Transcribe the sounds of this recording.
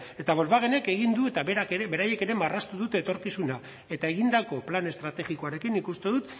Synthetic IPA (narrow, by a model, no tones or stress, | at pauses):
e̞t̪aβo̞lβaɣ̞e̞ne̞ke̞ɣ̞ind̪ue̞t̪aβeɾakeebe̞ɾaje̞ke̞ɾe̞marast̪uðut̪e̞ːt̪o̞ɾkisuna | e̞t̪ae̞ɣind̪ako̞plane̞st̪ɾat̪e̞ɣiko̞aɾe̞kinːikust̪e̞ðut̪